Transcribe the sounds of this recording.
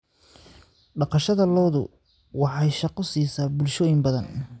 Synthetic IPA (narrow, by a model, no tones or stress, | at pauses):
ɖɑqɑʃɐðɐlɔːðʊ̰ | wɑħɑjʃɑqɔsiːsaːbʊlʃɔːjɪmbɐðɐn